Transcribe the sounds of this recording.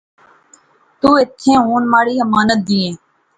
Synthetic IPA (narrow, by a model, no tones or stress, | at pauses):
t̪uːɪt̪ʰːẽːɦuːnmaːɽiːəmaːnət̪̚d̪iːẽː